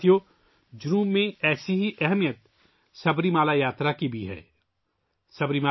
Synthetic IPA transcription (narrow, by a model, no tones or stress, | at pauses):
jo | d͡ʒʊɾuːmːẽɛːsiɦiʔɛɦɛmijət̪ | sɐbɾimaːlajaːt̪ɾakibʱiɦɛ̰ː | sɐbɾimaː